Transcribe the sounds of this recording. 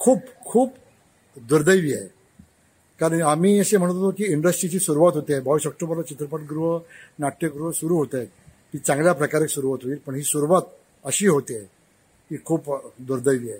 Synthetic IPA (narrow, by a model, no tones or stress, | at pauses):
kʰuːpkʰuːp | d̪uɾd̪əjʋiːae | kaɾənamiːəsem̤əɽt̪ot̪okiːiɳɖəsʈɾit͡ɕiːsuɾuʋat̪ɦot̪iabəʋiːsɔk̚ʈobəɾlat͡ɕit̪ɾəpəʈ̚ɡɾuɦənaʈːəɡɾuəsuɾuːɦot̪e | kiːt͡sãŋɡljapɾəkaɾeksuɾuʋat̪ɦoiːlpəɳɦiːsuɾuʋat̪ | əɕiːɦot̪e | ɦiːkʰuːpd̪uɾd̪əjʋiːa